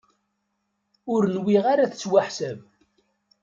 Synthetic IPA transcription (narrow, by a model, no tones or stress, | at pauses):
ʊɾnwiʁaɾaθə̥t͡sːwaħsæv